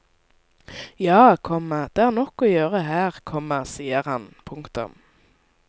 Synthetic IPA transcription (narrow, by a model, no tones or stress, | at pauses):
jɑːkʰɔməd̪̥eːæːʁnɔkːoːjøːʁəɦæːʁkʰɔməʁsiːəʁhɑnpʰʊŋkt̪ʊ̰m